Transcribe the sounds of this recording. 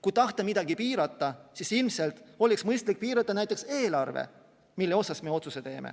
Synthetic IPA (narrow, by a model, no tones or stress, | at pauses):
kujt̪ɑht̪ɑmid̪̥ɑɡipiːɾɑt̪ːˑɑsisilmse̞lt̪ˑo̞lʲiksmɤjst̪lik̚piːɾɑt̪ːˑɑnæjt̪ːˑe̞kse̞ːlɑrvḛ | milːeo̞sɑsme̞o̞t̪suse̞t̪e̞ːmḛ